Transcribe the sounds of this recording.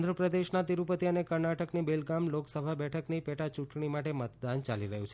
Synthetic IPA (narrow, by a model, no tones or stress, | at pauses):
nd̪ʱɾəpɾəd̪eʃnat̪iɾupət̪iənekəɾnaʈəknibelɡamloksəbʱabɛʈʰəknipɛʈat͡ʃũʈɳimaʈemət̪d̪ant͡ʃaliɾəɦjũt͡ʃʰe